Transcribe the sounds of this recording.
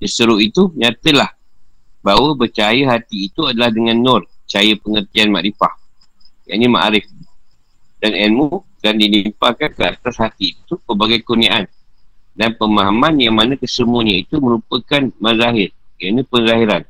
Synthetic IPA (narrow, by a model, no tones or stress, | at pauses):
dəsəɾuit̪uɲãt̪əlah | bawəbərt͡ʃajəɦat̪iːt̪uadalahdəŋãnːɔrt͡ʃajəpəŋərt̪ianma̰ʔɾifah | ja̰ʔnima̰ʔɾɪf | danɛnmukandinimpakankəat̪ashat̪iːt̪upəbaɡajkuniaʔandanpəmaɦamãnjaŋmanãkəsəmuɲəit̪umə̃ɾupəkanməzaɦɪrkianəpənzaɦiɾan